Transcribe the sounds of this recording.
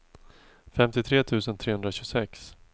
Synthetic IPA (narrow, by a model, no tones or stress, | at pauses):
fɛmt̪ɪt̪ʰɾeːt̪ʰʉ̟ːsənt̪ʰɾeːhɵnd̪ɾaɕɵɡsɛks